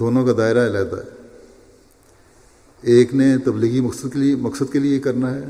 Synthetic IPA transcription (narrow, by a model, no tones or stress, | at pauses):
d̪oːnõkad̪aːɪɾaɪlaːt̪a̰ɦɛː | eːknet̪ɐbliːɣimɐksəd̪kmɐksəd̪keliekɐɾnaɦɛː